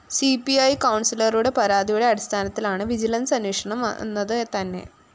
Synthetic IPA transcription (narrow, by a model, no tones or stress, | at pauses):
sipiɐjkɐwɳsilɐruɽe̞pɐɾaːd̪ijuɽe̞ɐɽist̪ʰaːnɐt̪ːilaːɳɨʋid͡ʑilɐnsɐnikʂɐɳɐm̰nːɐðɨt̪ɐnːe̞̰